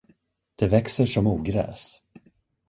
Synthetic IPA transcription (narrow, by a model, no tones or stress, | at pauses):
d̪̥ɛvɛksəʂɔmuːɡɾɛ̰ːs